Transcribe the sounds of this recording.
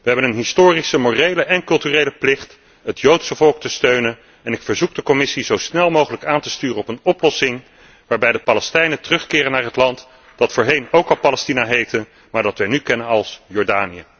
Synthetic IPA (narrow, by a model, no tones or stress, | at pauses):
ʋəɦɛbənənɦɪstoːrisəmoːrejləʔɛnkɵlˠtyːrejləplɪχt | ɦətjowtsəvɔlˠk̚təstøɥnən | ɛnɪkfəɹzuk̚dəkɔmɪsizowsnɛlˠmowχələkaːntəstyːrənɔpənɔplɔsɪŋ | ʋaːɹbɛjdəpaːlɛstɛjnətərɵχkɪːrənaːrɦətlɑnt | d̥ɑtfʊːɹɦejnowkɑlˠpalɛstinaɦejtən | maːɹdɑtʋɛjnykɛnənɑlˠsjɔɹdaːnijə